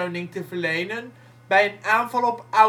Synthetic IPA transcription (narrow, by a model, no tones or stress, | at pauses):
ownɪŋtəvərlejnən | bɛjənaːnvɑlˠɔpœ